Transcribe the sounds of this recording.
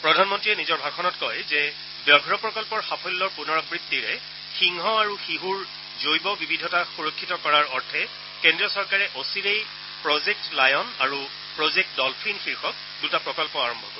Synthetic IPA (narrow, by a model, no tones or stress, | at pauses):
pɹɔdʱanmɔntɹiɛnizɔɹbʱaɡ̚ʰɔnɔtkɔjzɛ | bjɔɡʱɹɔpɹɔkɔlpɔɹxapʰɔlːɔɹpunɔɹɔbɹitːiɹɛ | xiŋɦɔaɹuxiɦuɹ | zojbɔbibʱidʱɔtaxuɹokʰːitɔkɔɹaɹɔɹtʰɛ | kendɹijɔsɔɹkaɹɛʔosiɹej | pɹɔzek̚tlajɔnaɹu | pɹɔzek̚t̚dɔlpʰinxiɹxɔk̚ | dutapɹɔkɔlpɔaɹɔmbʱɔ̰kɔɹ